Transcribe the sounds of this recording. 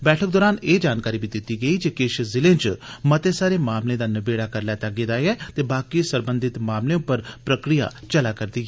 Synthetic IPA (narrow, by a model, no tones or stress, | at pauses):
bɛːʈʰək̚d̪ɔːɾaːneːd͡ʒaːnkaːɾiːbiːd̪ɪt̪ːiːɡəiːd͡ʒekɪʃzɪlẽːnd͡ʒmət̪esaːɾeːmaːmlẽːd̪aːnəbeːɽaːkəɾlɛːt̪aːɡed̪aːɛːt̪eːbaːkisəɾbə̃nd̪ɪt̪maːmlẽʊpːəɾpɾəkɾija̰ːt͡ʃəlaːkəɾd̪iːɦɛː